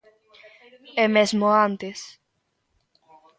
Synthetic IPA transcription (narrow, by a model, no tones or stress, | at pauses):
emezmoant̪es